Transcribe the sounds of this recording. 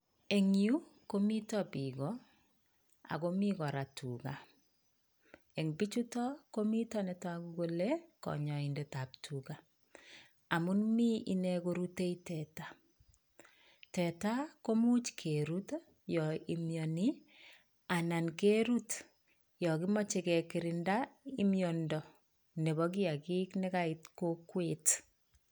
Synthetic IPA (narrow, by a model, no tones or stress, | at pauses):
eŋiukomitɔpiɡɔ | a̰komikɔɾatʰṵɡa | eŋbit͡ʃutɔkomitɔnɛtɔakuɡolekɔ̰ɲɔindɛtap̚tʰuɡa | amunmiḭnɛkoɾuteitɛta | tɛtakomut͡ʃkʰeɾut | jɔimjɔni | anankeɾut | jɔkimɔt͡ʃekɛkiɾɪndaimjɔndɔ | neβɔk̬iakiknɛkaitkokwet